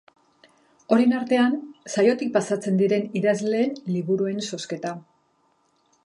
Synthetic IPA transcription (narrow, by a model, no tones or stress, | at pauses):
o̞ɾenaɾt̪e̞ansajo̞t̪ik̚pasat͡se̞nd̪iɾe̞niðazle̞ːnliβuɾue̞nso̞ske̞t̪a